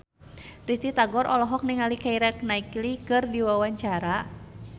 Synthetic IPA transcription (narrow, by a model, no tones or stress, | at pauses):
rist̪it̪aɡɔɾʔɔlɔɦɔk̚niŋalikaiɾɛk̚naiklikɨrdiwawaɲt͡ʃaɾa